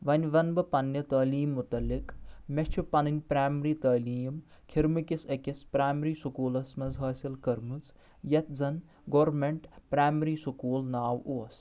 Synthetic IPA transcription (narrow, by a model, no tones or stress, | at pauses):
ʋɐnʲʋɐnbɨpɐnjɐt̪ɐːliːmːʊt̪ɐlːikmɐʃt͡ʃʰipɐnɨnʲpɾaːmɐɾiːt̪ɐːliːm | kʰiɾmɨkisɐkispɾaːmɾiːsukuːlɐsmɐnzɦɐːsilkɐɾmɨt͡s | jɐt̪̚zɐn | ɡoːɾmeɳʈpɾaːmɾiːsukuːlnaːʋuɐs